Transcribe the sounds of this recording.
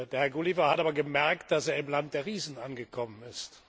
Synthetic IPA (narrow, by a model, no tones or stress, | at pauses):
deːɐhɛɐɡulivɐhatʔaːbɐɡəmɛɐkt̚d̥aseːɐɪmlant̚d̥eːɐʁiːzn̩ʔanɡəkʰɔmənɪst